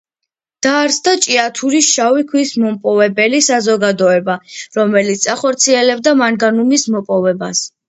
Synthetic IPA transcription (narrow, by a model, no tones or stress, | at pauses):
d̪̥aːɾsd̪at͡ʃʼiat̪ʰuɾisʃawikʰwismɔmpʼɔvɛbɛlisazɔɡad̪ɔɛbaɾɔmɛlit̪saχɔɾt̪sʰiɛlɛbd̪amaŋɡanumismɔpʼɔvɛbas